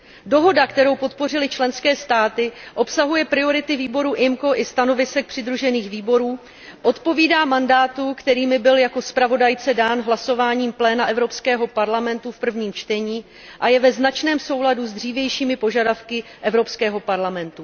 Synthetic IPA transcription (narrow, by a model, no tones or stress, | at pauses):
do̞ɦo̞dakt̪ɛɾo̞wpo̞t̪po̞r̝ɪlɪt͡ʃlɛnskɛːst̪aːt̪ɪʔo̞psaɦujɛpɾɪo̞ɾɪt̪ɪviːbo̞ɾuʔɪmko̞ʔɪst̪ano̞vɪsɛk̚pr̥ɪd̪ɾuʒɛniːxviːbo̞ɾuː | ʔo̞t̪po̞viːdaːmandaːt̪ukt̪ɛɾiːmɪbɪljako̞spɾavo̞dajt͡sɛdaːnɦlaso̞vaːɲiːmplɛːnaʔɛvɾo̞pskɛːɦo̞paɾlamɛnt̪ufpr̩vɲiːmt͡ʃt̪ɛɲiː | ʔajɛvɛznat͡ʃnɛːmso̞wladuzd̪r̝iːvjɛjʃiːmɪpo̞ʒadafkɪʔɛvɾo̞pskɛːɦo̞paɾlamɛnt̪u